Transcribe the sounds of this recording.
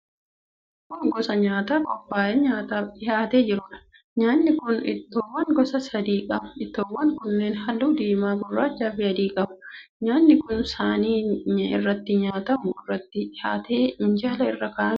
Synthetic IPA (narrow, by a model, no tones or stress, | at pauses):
kʊŋɡɔsɐɲaːt̪aːkʼɔpːaːʔeɲaːt̪ɐɪhaːt̪eːd͡ʒɪɾʊᶑɐ̥ | ɲaːnːɪkʊnɪ̰t̪ːoːwːɐŋɡɔsɐsɐd̪iːkʼɐmɐɪt̪ːoːwːɐŋkʊnːeːnhɐlːuːd̪iːmaːɡɔrːaːt͡ʃːaːfɪhɐd̪iːkʼɐbʊ̥ɲaːnːɪkʊnsaːniːɲɪ̰rːɐt̪ːɪɲaːt̪ɐmʊɪrːɐt̪ːɪɪhaːt̪eːɪɲd͡ʒɐːlɐɪ̰rːɐka